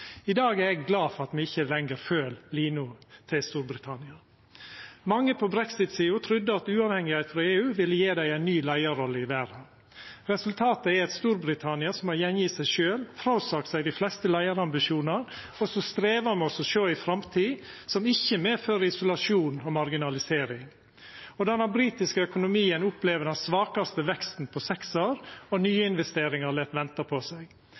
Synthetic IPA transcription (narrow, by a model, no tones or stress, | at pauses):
ɪd̪ɑːɡæɾɛɡɡlɑːfɔɾɑt̪mɛɪçːəlɛŋəɾføːlliːnʊt̪ʰɪlst̪uːɾbɾɪt̪ʰɑnɪɑ | mɑŋːəpʰɔbɾɛksɪt̪siːʊt̪ʰɾʉd̪ːəɑt̪ʉːɑʋhɛŋɪhæɪt̪fɾɑeːʉːʋɪlːəjeːd̪æɪæɪnːyːlæɪəɾɔlːəɪʋæːɾɑ | ɾɛsʉlt̪ʰɑːt̪əɛɾɛt̪st̪uːɾbɾɪt̪ʰɑnɪɑsɔmhɑɾjɛnjɪt̪sæɪʃøːlfɾɑʊsɑːkt̪sæɪd̪ɪflɛst̪əlæɪəɾɑmbɪʃuːnɑɾ | ɔsɔst̪ɾeːʋɑmɛɔsɔʃøːɪfɾɑmt̪ʰiːsɔmɪçːəmeːføːɾəɪsʊlɑʂuːnɔmɑɾɡɪnɑlɪseːɾɪŋ | ɔd̪ɛnæbɾiːt̪ɪskəœkʊnʊmiːənʊpleːʋəɖɛnsʋɑːkɑst̪əʋɛkst̪n̩pʰɔsɛksoːɾɔnyːəɪnʋɛst̪eːɾɪŋɑɾlɛt̪ʋɛnt̪ɑpʰɔsæɪɡ